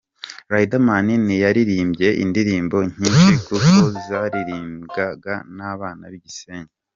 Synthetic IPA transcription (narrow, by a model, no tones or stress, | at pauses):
ɾaidamaninijaɾiɾiːmbɟe̞ʔḭndiɾiːmbo̞ɲ̥iːnʃikukozaɾiɾiːmɡaɡanaːβaːnaβiɟiseːɲe